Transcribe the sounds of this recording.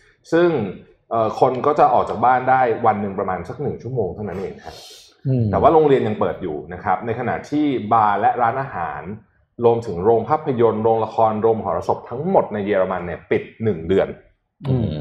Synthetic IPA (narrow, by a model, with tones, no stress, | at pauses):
sɯ˥˩ŋ | ʔɤː˨˩kʰo˧nkɔː˥˩t͡ɕa˨˩ʔɔː˨˩k̚t͡ɕa˨˩k̚baː˥˩ndaː˥˩jwa˧nːɯ˨˩ŋpɾa˧maː˧nsa˨˩k̚nɯ˨˩ŋt͡ɕʰu˥˩əmoː˧ŋt̪ʰa˥˩wna˦˥nʔeː˧ŋkʰa˦˥t | t̪ɛː˨˩waː˥˩ɾoː˧ŋɾi˧ənja˧ŋpɤː˨˩t̪̚juː˨˩na˦˥kʰa˦˥p̚na˧jkʰa˧na̰˨˩ʔt̪ʰiː˥˩baː˧lɛ˦˥ɾaː˦˥nʔaː˧ɦa̰ː˩˦n | ɾu˧əmt̪ʰɯ˩˦ŋɾoː˧ŋpʰaː˥˩pʰːa˧jo˧nɾoː˧ŋla˧kʰɔː˧nɾoː˧mkʰɔː˩˦ɾa˧so˨˩p̚t̪ʰa˦˥ŋmo˨˩t̪̚na˧jːeː˧ɾa˧ma˧nːi˦˥˩əpi˨˩t̪̚nɯ˨˩ŋdɯ˧ən